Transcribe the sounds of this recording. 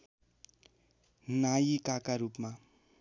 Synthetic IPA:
najikakaɾupma

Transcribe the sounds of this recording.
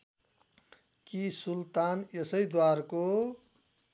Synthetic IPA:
kisult̪anesʌjd̪warko

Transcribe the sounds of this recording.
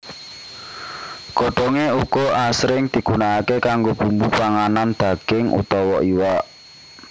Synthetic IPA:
kɔɖ̥ɔŋeuɡ̥ɔ̤ʔasɾɪŋd̪̥i̤ɡ̥unaakekaŋɡob̥umbupaŋanand̪̥a̤ɡ̥ɪŋṵt̪ɔwɔʔiwa

